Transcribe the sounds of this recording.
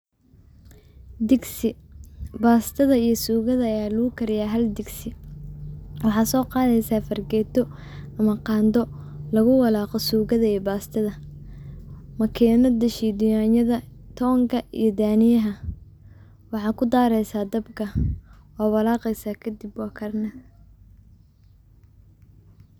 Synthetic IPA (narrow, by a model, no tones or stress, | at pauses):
d̪ɪɡsɪbaːst̪ʰɐðɐijɞsuːɣɐðɐːjaːlʊɣʊkʰɐɾɪjaːɦɐld̪ɪɡsɪ | wɑħɑːsɔːqɑːðɛjsaːfɐrɡɛːt̪ɔ | ɐmɐqɑːnd̪ɔ | lɐɣʊwɑlaːqɔsuːɣɐðɐijbaːst̪ʰɐðɐ | mɐkʰɛːnɔd̪ɐʃiːd̪ʊjaːnjɐðɐt̪ʰɔːŋkʰɐḭjɞd̪aːnɪjɐɦɐ | wɑħɑːkʰʊd̪aːɾɛjsaːd̪ɐbkʰɐ | ɔːwɐlaːqɛjsaːkʰɐd̪ɪbwɑːkʰɐrnɐ